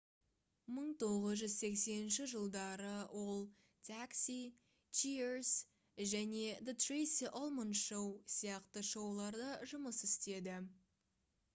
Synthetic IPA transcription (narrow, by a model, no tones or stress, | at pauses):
məɴt̪ʰo̞ʁəzʒʏzse̞kse̞nɪnʃɪʒəlˠd̪ɑɾəwʔo̞lˠ | t̪ʰaksi | t͡ʃiɾs | ʒæne̞d̪ət̪rejsiʔolˠmənʃowsijɑqt̪əʃowlˠɑɾd̪ɑʒʊməsɪst̪e̞d̪ɪ